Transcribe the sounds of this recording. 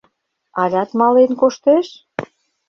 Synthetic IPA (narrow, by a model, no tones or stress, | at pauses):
ɑlʲɑt̪mɑlenkoʃt̪eʃ